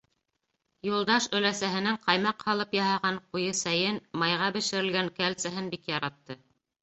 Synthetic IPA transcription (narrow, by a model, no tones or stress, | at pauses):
julˠd̪ɑʃɵ̆læsæɦɘ̆næɴqɑjmɑqhɑlˠɤpjɑɦɑʁɑɴqujɤsæjɘnmɑjʁɑbɘ̆ʃɘ̆ɾɘ̆lɡæŋkælsæɦɘnbikjɑɾɑt̪ːɤ